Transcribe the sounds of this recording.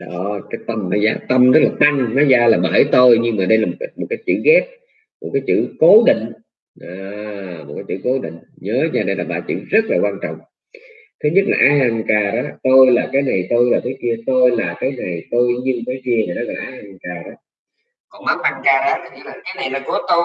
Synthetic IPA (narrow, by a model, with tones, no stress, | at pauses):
ɗɔ˨˦kaː˨˦jt̪ə˧mnɔ˨˦zaː˨˦t̪ə˧mzə˦˥t̚laː˨˩t̪a˧ŋnɔ˨˦zaː˧laː˨˩ɓəː˧˩jt̪o˧jɲɨ˧ŋmaː˨˩ɗə˧jlaː˨˩mo˨˩a˨˦mo˨˩t̚kaː˨˦jt͡ɕɨ̰˧˨ɣɛ˦˥t̚ | mo˨˩t̚kaː˨˦jt͡ɕɨ̰˧˨ko˨˦ɗḭ̈˧˨ŋ̟ | ʔaː˨m̚˨˩kaː˨˦jt͡ɕɨ̰˧˨ko˨˦ɗḭ̈˧˨ŋ̟ɲəː˨˦ɲaː˧˩ɗə˧jlaː˨˩ɓa̰ː˧˩t͡ɕɨ̰˧˨zə˦˥t̚laː˨˩kwaː˧nt͡ɕɔ̰˧˨wŋ͡m | t̪ʰe˨˦ɲə˦˥t̚laː˨ʔaː˨˦ɦa˨˩ŋkaː˨˩ɾʔaː˨˦t̪o˧jlaː˨˩kaː˨˦jna˨˩jt̪o˧jlaː˨˩t̪ʰːki˧ət̪o˧jlaː˨˩kaː˨˦jna˨˩jt̪o˧jɲɨ˧˨˩faː˨˦jki˧əvaː˨˩nɔ˨˦ɣɔ˨˩˨ʔaː˨˧˦ha˨˩ŋkaː˨˩ɾʔaː˨˦ | kɔ˨˩nmaː˨˦mʔa˧ŋkaː˧˩aː˨˦t̪ʰːi˧la˨˩kaː˨˦jna˨˩jlaː˨˩ku˨˧˦t̪o˧